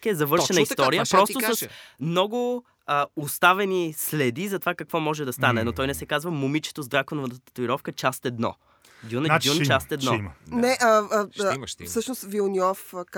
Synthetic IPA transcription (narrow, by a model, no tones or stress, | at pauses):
kɛzɐvɤɾʃʃɛnnəiist̪ɔɾijəpɾɔst̪ʊsɐsmnɔɡʊ | əʊst̪avɛnislɛd̪izɐt̪ovakɐkvɔmɔʒɛd̪ɐst̪anɛnot̪ɔjnɛsɛkazvəmʊmit͡ʃɛ̥t̪ozd̪ɾakonʊvət̪ət̪ət̪oiɾɔfkət͡ʃast̪ɛd̪nɔ̰ | ɡ̪ʲjundʲut͡ʃast̪ɛd̪nɔmnɛʔə | fsɤʃnʊst̪vilˠniɔfk